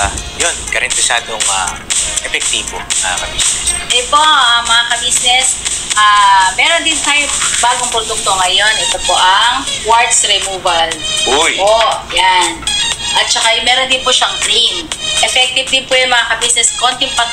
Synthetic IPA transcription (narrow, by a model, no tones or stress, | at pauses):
jonɡɐɾɐnt̪ɪsa̰ːd̪oŋa̰ʔɛfɛk̚t̪iːbomɐa̰kɐbisɛsʔɛpoʔɐmɐŋakɐbiːsnɛsʔaːmɛːɾond̪ɪnt̪ajbaːɡoŋpɾod̪uk̚t̪oŋɐjo̞nʔɛt̪opo̞ʔɐŋwaɹd̪sɾɛmuːvɐlʔjʔojanʔɐt̪̚t͡ʃɐkamɛːɾond̪ɪnpʊʃɐŋklimʔɛfɛk̚t̪ɪvd̪ɪnpʊjʊŋmɐŋakɐbisnɛsko̞nt̪ɪŋpɐ